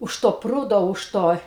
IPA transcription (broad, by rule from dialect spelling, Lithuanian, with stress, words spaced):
ʊʃ toː ˈpruːdoː ʊʃ ˈtoː